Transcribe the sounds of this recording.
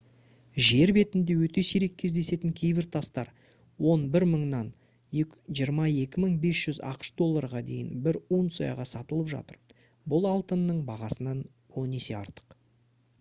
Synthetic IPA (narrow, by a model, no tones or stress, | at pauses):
ʒe̞ɾbe̞t̪ɪnd̪e̞wɵt̪e̞siɾe̞kʲʰːe̞zd̪e̞se̞t̪ɪŋkʲʰejbɪɾt̪ʰɑst̪ɑɾ | wo̞nbɪɾməɴnɑn | eʒijəɾmɑje̞kʲɪməɴbe̞sʒ̥ʏzɑ̰qə̥ʃd̪o̞lˠːɑɾʁɑd̪e̞jɪ̰nbɪɾwo̞nsɑjɑ̰ʁɑsɑt̪əlˠəpʒɑ̰t̪əɾ | bʊlˠɑlˠt̪ənːəɴbɑʁɑsənɑn | one̞se̞ɑ̰ɾt̪ə̥q